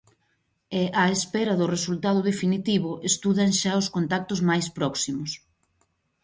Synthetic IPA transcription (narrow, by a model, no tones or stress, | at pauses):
eaespɛɾɐðʊresult̪aðʊðefinit̪iβʊʔest̪uðaŋʃaoskont̪ak̚t̪ʊzmajspɾɔksimʊs